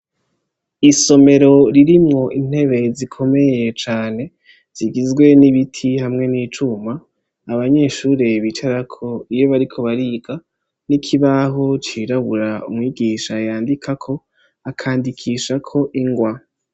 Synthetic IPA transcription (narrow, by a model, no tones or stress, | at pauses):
iso̞me̞ɾo̞ɾiɾimŋo̞ʔin̥he̞βe̞zikʰo̞me̞je̞t͡ʃaːne̞ | z̥iɡizɡwe̞niβitʰihamŋe̞niːt͡ʃumaː | βaɲe̞ːʃuːɾe̞βit͡ʃaɾakʰo̞ijoβaɾikʰo̞βaɾiɡ̥a | nikʰiβaɦo̞t͡ʃiːɾaβuɾaumŋiːɡiːʃajaːndikʰakʰo̞ | akʰaːndikʰiːʃakʰo̞ʔiŋɡwa